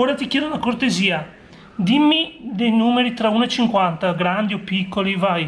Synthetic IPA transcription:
oːɾat̪ikjɛːd̪onakort̪eziːa | d̪imːid̪ejnuːmeɾit̪ɾauːnoet͡ʃiŋkwant̪aɡɾand̪iopːikːolivaj

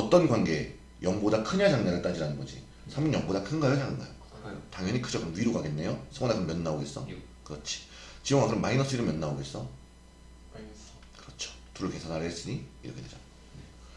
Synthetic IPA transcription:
ʌt͈ʌnɡwanɡe̞ | jʌŋbodakʰɯɲad͡ʑaŋɲaɾɯɭt͈ad͡ʑiɾanɯnɡʌd͡ʑḭ | sʰaminjʌŋbodakʰɯnɡajɯd͡ʑaŋɯŋna̰jo | taŋjʌɲikʰɯd͡ʑʌkɯɾʌmɥiɾoɡaɡe̞nːe̞josʰɯwanakɯɯmjʌnːaoɡe̞s͈ʌ | kɯɾʌt͡ɕʰi̥ | t͡ɕiʌŋaɡɯɾɯmːainʌs͈ɯiɾɯɭmjʌnːaoɡe̞s͈ʌ | kɯɾʌt͡ɕʰo̥tuɾɯɭkesʰanɦaɭɦes͈ɯɲiiɾʌkʰeded͡ʑa | e

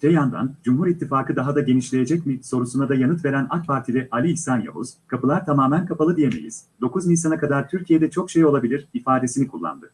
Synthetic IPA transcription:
t̪ʰejand̪a̰nd͡ʒumɦuɾit̪ʰːifaːkɯd̪aɦad̪aɟe̞niʃlʲe̞je̞d͡ʒɛcmiso̞ɾusunad̪ajanɯt̪ve̞ɾæna̰k̚pʰaɾt̪ʰilʲiʔalʲiːçsanja̰ɦṵz̥kʰapɯlˠaɾt̪ʰamaːmænkʰapalˠɯd̪ije̞me̞̰jḭz̥d̪o̞kuznisanakad̪aɾt̪ʰyɾcʰije̞d̪ɛt͡ʃʰo̞kʃe̞jo̞lˠabilʲiɾifaːd̪e̞sinikʰulˠːa̰nd̪ɯ

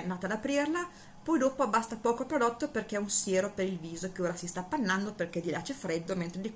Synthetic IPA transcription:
naːt̪ad̪apɾirla | pɔjd̪oːpoabast̪apɔːkoapɾod̪ɔt̪ːoperk̟eɛunsjeːɾopeɾilviːzok̟eoːɾasist̪apːanːand̪operk̟ɛd̪ilat͡ʃɛfɾed̪ːoment̪ɾed̪i

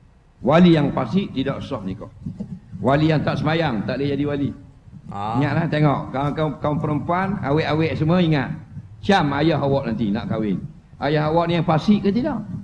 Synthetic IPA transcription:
walijaŋpasɪʔt̪idɔʔsɔhnikɔ̰ʔwalijaŋt̪aʔsəmajaŋt̪aʔləd͡ʒadiwali | iŋaʔ̪laht̪eŋɔʔkakakauŋpəɾəmpuana̰wɛʔawɛʔsəməiŋat̪̚t͡ʃamajaɦawɔʔnant̪ina̰ʔkawɪn | ajaɦawɔʔnijaŋpasɪʔkːət̪idɔʔ

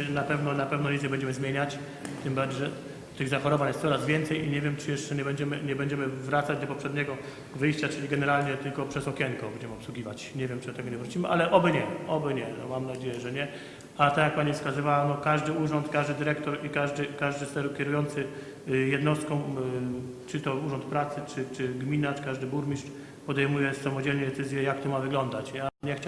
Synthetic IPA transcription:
napɛvnɔnapɛvnɔlʲizʲjɛbɛɲd͡ʑɛmɘzmʲjeɲat͡ɕ | t̪ɘmbaɾd͡ʑɛ | t̪ɘɣzaxɔɾɔvaɲjɛst̪sɔɾazvʲjɛnt̪sɛjiɲɛvʲjɛmt͡ʂɘjɛʂt͡ʂɛɲɛbɛɲd͡ʑɛmɘɲɛbɛɲd͡ʑɛmɘvɾat̪sad͡ʑd̪ɔpɔpʂɛd̪ɲɛɡɔ | vɘjɕt͡ɕat͡ʂɘlʲiɡɛnɛɾalɲɛt̪ɘlkɔpʂɛzɔkʲɛŋkɔbɛɲd͡ʑɛmɘɔpswuɡʲivat͡ɕɲɛvʲjɛmt͡ʂɨd̪ɔt̪ɛɡɔɲɛvɾut͡ɕimɘʔalɛʔɔbɘɲɛɔbɘɲɛnɔ̰mamnad͡ʑejɛʐɛɲɛ | at̪ajak̚paɲifskazɨvawanɔkaʐd̪ɘuʐɔnt̪kaʐd̪ɘd̪ɘɾɛkt̪ɔɾikaʐd̪ɘkaʐd̪ɘsɛɾkʲjɛɾujɔnt̪sɘ | jɛd̪nɔst̪̚kɔ̃w̃ | t͡ʂɘt̪ɔuʐɔnt̪̚pɾat̪sɘt͡ʂɘt͡ʂɘɡmʲinat͡ʂkaʐd̪ɘbuɾmʲiʂt͡ʂ | pɔd̪ɛjmujɛsamɔd͡ʑɛlɲɛd̪ɛt̪sɘzʲjɛjakt̪ɔmavɘɡlɔnd̪at͡ɕaɲɛxt͡ɕ

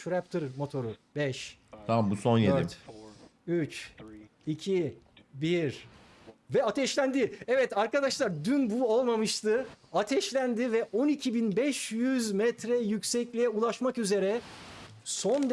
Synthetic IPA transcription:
ʃɾɛpt̪ʰɯɾmo̞t̪ʰo̞ɾubɛʃt̪ʰamabusonjeit̪ | yt͡ʃ | icʰibiɾ | vɛat̪ʰɛʃlʲænd̪ɪɛvɛt̪aɾkad̪aʃlˠaɾd̪ynbuo̞lˠmamɯʃt̪ʰɯat̪ʰɛʃlʲænd̪ivɛʔo̞nicʰibinbɛʃjyzmɛt̪ɾɛjycsɛclʲijɛulˠaʃmakyze̞ɾɛ | so̞nd̪

